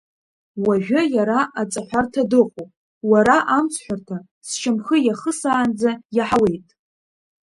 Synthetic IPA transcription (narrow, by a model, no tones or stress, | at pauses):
waʒʷᶣajaɾaʔat͡sʼaħʷartʰadɨqʷʼu | waɾaʔamt͡sʰħʷᶣartʰa | st͡ʃʰamχəjaχəsaːnd͡zajaħawe̞jtʼ